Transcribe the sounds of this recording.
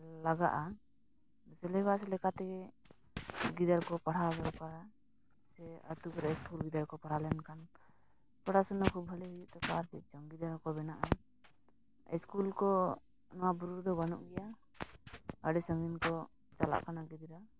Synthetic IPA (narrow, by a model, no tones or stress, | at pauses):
laɡa̰ʔa | sɛlɛbaʔsɛlɛkat̪ɛɡɛ | ɡid̪aɾkɔpaɽabɛɾkaɾa | sɛə̰t̪ukɔɾɛskulɡid̪aɾkɔpaɽalɛnkan | pɔɽasɔnːakʰubɦəlɛɦud͡ʒuʔt̪ɛkaɾt͡ʃɛd͡ʒɔŋɡid̪aɾkɔbɛnaʔa | ɛskulkɔ | nɔwabuɾuɾd̪ɔbanṵʔɡɛja | əɖɛsəŋɡinkɔ | t͡ʃa̰la̰ʔkanaɡid̪ɾa